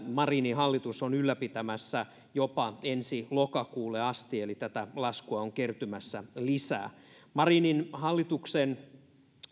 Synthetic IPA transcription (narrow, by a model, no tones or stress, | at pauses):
mɑriːniɦɑlːit̪usonylːæpit̪æmæsːæ | jopɑensilokɑkuːlːeɑst̪ielit̪æt̪ælɑskuɑoŋkert̪ymæsːælisæ̰ːmɑriːninhɑlːit̪uksen